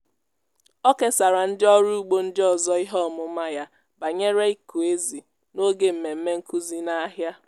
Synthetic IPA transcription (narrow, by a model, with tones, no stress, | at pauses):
ɔ˦ke˨sa˨ɾa˨n̩˦dɪ˦ɔ˦ɾu˦u˦ɡ͡bo˦n̩˦dɪ˦ɔ˨zɔ˦ɪ˦ɦɔ˦˨mʊ˦ma˦ja˦ | ba˨ɲe˦ɾe˦i˦ku˨e˦zi˨ | no˦ɡe˦m̩˨me˨m̩˦me˦ŋ̩˦ku˦zi˦na˦ɦja˦